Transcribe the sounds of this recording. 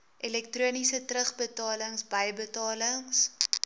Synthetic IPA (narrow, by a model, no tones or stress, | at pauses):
ʔilɛk̚truənisətrəχbətɑːləŋsbɐjbətɑːləŋs